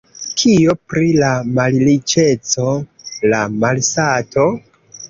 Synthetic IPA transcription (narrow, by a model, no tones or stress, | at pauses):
kʰio̞pɾilamallit͡ʃe̞t͡so̞lamalsato̞